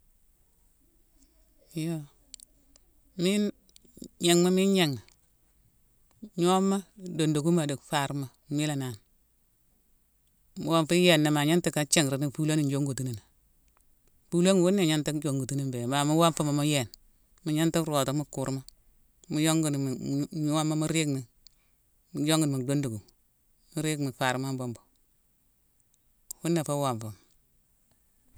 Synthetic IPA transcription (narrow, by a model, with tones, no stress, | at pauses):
jo˦ | mi˦n | ɲe˨ŋma˦mi˦nɲe˨ŋːa˨ | ɲo˦mːa˦do˨ndo˨ku˦ma˨de˨kfa˦˨ɾma˨mi˦la˨na˨n | mu˨wa˦mfi˦je˨nːa˨ma˨ɲa˦nti˦ka˦t͡ʃe˦ŋ˨ɾi˨ni˦pu˦lo˦ni˨nd͡ʒo˦ŋɡu˨tu˦ni˨na˨ | pu˦lo˦ŋu˨wu˦nːe˨ɲa˦nti˦d͡ʒo˨ŋɡu˨tu˦ni˦mbe˨ma˨mu˦wa˦mfu˦ma˨mu˦je˦˨n | mu˨ɲa˦nti˦ɾo˨to˨˦mu˦ku˨ɾma˦ | mu˦jo˦ŋɡu˨n˨˦ɲu˦wa˦mːa˦mi˦ɾi˦kni˨˦ | jo˦ŋɡu˨u˨do˦ndu˨ɡu˨ | mu˦ɾi˦kmi˨fa˨ɾma˦mbo˦mbo˨ | wu˦nːe˨fa˦wa˨ɱfu˨m